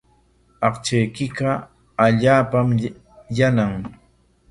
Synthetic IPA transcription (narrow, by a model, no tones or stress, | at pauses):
ɑqt͡ʃajkɪɢɑ | aʎaːpam | janaŋ